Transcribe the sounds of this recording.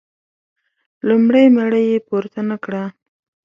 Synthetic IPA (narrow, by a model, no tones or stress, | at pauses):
lumɽajmeɽəjepoɾt̪anakɽa